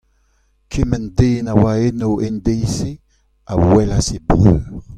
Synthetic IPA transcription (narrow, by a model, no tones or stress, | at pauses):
kʰemɛndeːnawaenowʔendejse | a̰wɛlasebʁøː